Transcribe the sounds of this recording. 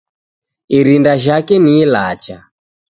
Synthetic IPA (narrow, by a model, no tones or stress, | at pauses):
iɾindaʒakɛnilat͡ʃa